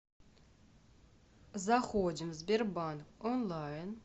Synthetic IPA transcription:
zaχod͡ʒimzberbankonlajn

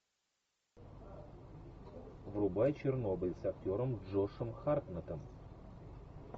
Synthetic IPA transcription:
vrubajt͡ɕɪrnobʲəlʲsaktʲoɾəmʐoʂəmxarpnət̪əm

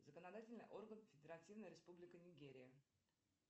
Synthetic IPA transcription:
zəkənɐd̪atʲɪlʲnɨ̰jʔo̞rɡənfʲɪdʲɪɾɐtʲivnəjɾʲɪspublʲɪkənʲɪɡʲeɾʲɪjə

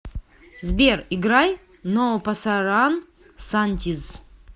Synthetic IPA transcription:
zbʲeriɡɾaj | nopasaɾan | sanʲt̪ʲiz

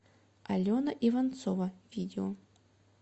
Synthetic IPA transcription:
alʲɔnɐʔivant̪sɔvɐvʲid̪ʲeɔ

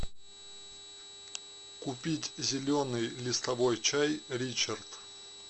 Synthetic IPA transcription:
kʊpʲitʲzʲɪlʲonɨjlʲɪst̪ɐvojt͡ɕajɾʲit͡ɕərt̪

